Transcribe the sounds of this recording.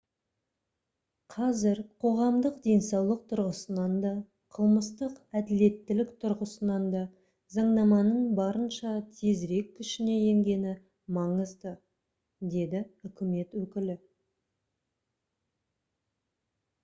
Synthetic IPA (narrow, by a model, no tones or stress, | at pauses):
qʰɑzɪɾqʰo̞ʁɑmd̪əqd̪e̞jnsɑwlˠəq̚t̪ʰʊɾʁəsənɑnd̪ɑ | qʰəlˠməst̪əqæd̪ɪle̞t̪ːɪlɪkt̪ʰʊɾʁəsənɑnd̪ɑ | zɑɴnɑmɑnəɴbɑɾənʃɑt̪ʰe̞zɾe̞kʲʰːʏʃɪne̞je̞ŋɡʲe̞nɪ | mɑɴəzd̪ə | d̪e̞d̪ɪʏkʲɪme̞t̪wɵkʲɪlɪ